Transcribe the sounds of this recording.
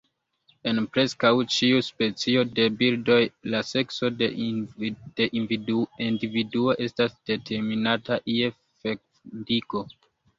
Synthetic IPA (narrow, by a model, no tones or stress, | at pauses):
e̞npɾe̞skawt͡ʃiuspe̞t͡sio̞de̞bildo̞jlase̞kso̞de | d̥eʔinvindividuo̞ʔe̞stasd̥e̞tʰe̞ɾminataʔie | fek | diko̞